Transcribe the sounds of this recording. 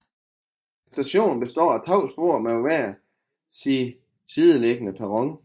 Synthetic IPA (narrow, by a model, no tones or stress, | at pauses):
sd̥æɕo̝̰ːnb̥e̝sd̥ɒ̰ːæt͡sʰɑʊ̰sb̥o̝ɐ̰mæʋæɐɐ | si | sið̞ˠəleɡ̥ənəpʰæʁɔ̽ŋ